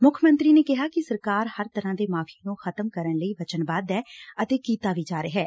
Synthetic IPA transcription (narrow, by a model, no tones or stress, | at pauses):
mʊkʰmə̃nt̪ɾiːneːkɪɦaːkɪsəɾkaːɾhəɾt̪əɾãːd̪eːmaːpʰiːnũːxʰət̪əmkəɾənləiːʋət͡ʃənbaːd̪ɛːət̪eːkiːt̪aːʋiːd͡ʒaːɾeːɦɛː